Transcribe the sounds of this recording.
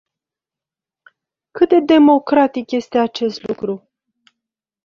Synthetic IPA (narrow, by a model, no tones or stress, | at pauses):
kɨt̪̚d̪e̞d̪e̞mo̞kɾat̪ikje̞st̪e̞at͡ʃe̞st̪lukɾu